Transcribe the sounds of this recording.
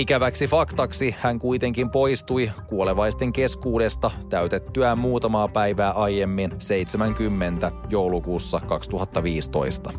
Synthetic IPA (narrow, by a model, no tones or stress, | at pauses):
ikæʋæksifɑkt̪ɑksihæŋkujt̪e̞ŋkimpo̞jst̪uijkuoleʋɑjst̪e̞ŋke̞skuːde̞st̪ɑt̪æyt̪et̪ːyæmuːt̪ɑmɑːpæjʋæːʔɑjjemːinse̞jt̪semæŋkymːent̪æjo̞wlukuːsːɑkɑkst̪uɦɑt̪ːɑʋiːst̪o̞̰ist̪ɑ